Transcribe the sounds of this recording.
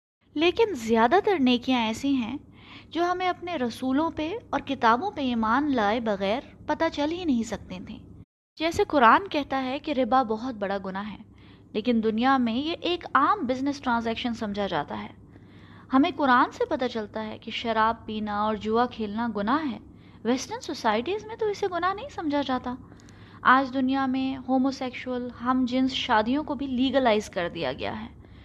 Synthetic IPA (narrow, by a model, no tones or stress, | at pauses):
leːkɪnzɪjaːd̪at̪ɐɾneːkijãɛːsĩɦɛ̃ | d͡ʒoːɦɐmẽɐpneɾɐsuːlõpeɔːɾkɪt̪aːbõpeiːmaːnlaːebɐɣɛːɾpɐt̪at͡ʃɐlɦinɐɦĩsɐk̚t̪ẽt̪ʰḛ̃ː | d͡ʒɛːsekʊɾaːnkɛɦt̪aɦɛkeɾɪbabɔɦʊt̪̚bɐɽaɡʊnaɦɛː | leːkɪnd̪ʊnijamẽjeʔeːkaːmbɪznɪsʈɾãːnzɛːkʃənsɐ̃md͡ʒʱad͡ʒa̰ːt̪aɦɛː | hɐmẽkʊɾaːnsepɐt̪at͡ʃɐlt̪aɦɛ̰kiʃɐɾaːb̚piːnaɔːɾd͡ʒʊakʰeːlnaɡʊnaɦɛ̰ː | ʋɛːsʈəɾnsosaːɪʈizmẽt̪oɪseɡʊnaɦnɐɦĩsɐ̃md͡ʒʱad͡ʒaːt̪a | aːd͡ʒd̪ʊnijamẽhoːmoːsɛːkʃuəlɦɐmd͡ʒɪ̃nsʃaːd̪ijõkobʱiliːɡəlaːɪzkɐɾd̪ija̰ɡɐ̰ja̰ɦɛː